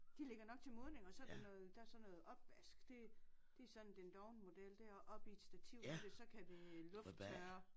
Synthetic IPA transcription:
d̥ile̝ɡ̥ɐnɒ̽ɡ̥̚t͡sʰe̝moðˠne̝ŋɒ̽sɒ̽ɐdenɔ̽ːð̩ˠd̥ɑ̈ɐsɒ̽nːɔ̽ːð̩ˠɒ̽b̥ʋæsɡ̥d̥e̝d̥e̝sɒ̽d̥n̩d̥end̥ɒʊnəmo̝d̥el̰d̥æɐ̰ʔɒ̽b̥ie̝d̥sd̥æt͡sʰiʊ̰desɒ̽kʰæde̝lɔ̽fd̥ʰœːɐ

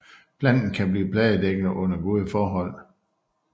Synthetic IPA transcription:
pʰlæn̰̥n̩kʰæb̥liːpʰlɛːð̩ˠd̥eɡ̥ð̩ʔɔ̽n̰ɐɡ̥o̝ːð̞ˠəfɒːɦɒ̽l̰

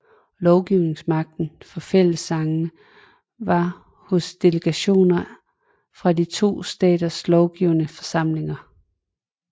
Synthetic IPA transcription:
lɒʊɡ̥iʊne̝ŋsmɑ̈ɡ̥̚d̥n̩fɒ̽fel̰əsːɑ̈ŋn | ʋɑ̈ | hɔsd̥e̝ləɡ̥æɕo̝̰ːnɐ | fʁɑ̈dit͡sʰo̝̰ːsd̥ɛ̰ːd̥ɐslɒʊɡ̥iʊnəfɒ̽sɑ̈m̰le̝ŋɐ

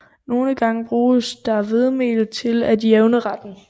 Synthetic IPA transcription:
no̝ːləɡ̥ɑ̈ŋb̥ʁuːsd̥ɑ̈ʋe̝ðˠmḛːl̩t͡sʰe̝læd̥jeʊnəʁɑd̥n̩

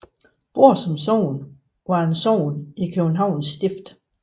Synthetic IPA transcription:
b̥o̝ɐ̰sɒ̽msɒʊ̰n | ʋɑ̈ensɒʊ̰nikʰøb̥n̩ɦɑ̈ʊ̰nsːd̥e̝fd̥

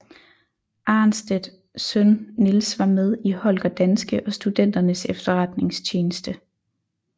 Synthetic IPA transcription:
ʔɑ̈nsd̥ed̥ | sønːilsʋɑ̈með̞ˠihɒ̽lɡ̥ɐd̥ænsɡ̥əʔɒ̽sd̥ud̥en̰d̥ɐnəsefd̥ɐʁɑd̥ne̝ŋst͡ɕʰeːnəsd̥ə

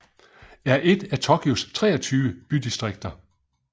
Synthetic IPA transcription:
æɐʔe̝d̥æt͡sʰɒkʰiost͡sʰʁɛ̰ːɐt͡sʰyːʊəb̥yd̥isd̥ʁeɡ̥̚d̥ɐ

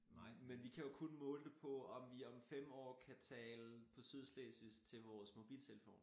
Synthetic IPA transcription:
nɑ̰menʋikʰæjo̝kʰo̝nmɔ̽ːld̥epʰɒ̽ɒ̽mʋiɒ̽mfem̰ɒ̰ːkʰæt͡sʰɛːləpʰɒ̽syðˠsleːsʋist͡sʰe̝lʋɒːsmo̝b̥ḭːlt͡sʰe̝ləfo̝̰ːn

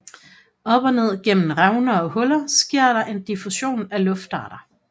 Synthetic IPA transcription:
ɒ̽b̥ɒ̽ne̝ð̞̰ˠɡ̥en̰n̩ʁɑʊnɐɒ̽hɔ̽lɐsɡ̥e̝ɐ̰ɾɑ̈ʔe̝nd̥ifuɕo̝̰ːnælɔ̽fd̥ɑ̰̈ːɾ̥ɐ

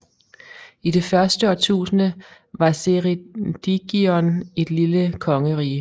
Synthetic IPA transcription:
id̥e̝fɶɐsd̥əɒt͡sʰṵːsnə | ʋɑ̈seʁid̥iɡ̥iɒne̝d̥liləkʰɒ̽ŋəʁḭː

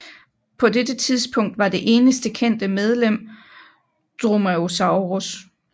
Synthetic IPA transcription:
pʰɒ̽dedət͡sʰið̞ˠspʰɔ̽ŋ̰d̥ʋɑ̈d̥e̝ʔe̝ːnəsd̥əkʰen̰d̥əmeð̞ˠlem̰ | d̥ʁomæosɑ̈ʊʁos

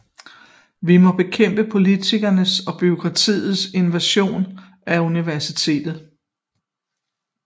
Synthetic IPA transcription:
ʋimɒ̽b̥e̝kʰem̰b̥əpʰo̝lit͡sʰiɡ̥ɐnəsɒ̽b̥io̝kʰʁɑ̈t͡sʰḭːð̩ˠse̝nʋæɕo̝̰ːn | æuniʋæɐsit͡sʰe̝̰ːd̥ð̞̩ˠ

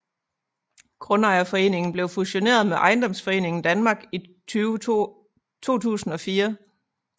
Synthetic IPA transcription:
ɡ̥ʁɔ̽nɑ̈ɪɐfɒ̽e̝̰ːne̝ŋn̩b̥le̝ʊfuɕo̝ne̝̰ːɐðˠmeʔɑ̈ɪnd̥ɒ̽m̰sfɒ̽e̝̰ːne̝ŋn̩d̥ænmɑ̈ːɡ̥it͡sʰyːʊ | t͡sʰo̝̰ːt͡sʰṵːsn̩ɒ̽fiːɐ

